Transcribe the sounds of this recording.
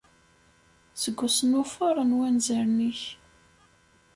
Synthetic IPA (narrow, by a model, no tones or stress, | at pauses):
səɡʷːʊsənʊfʊɾˤənwænzəɾniç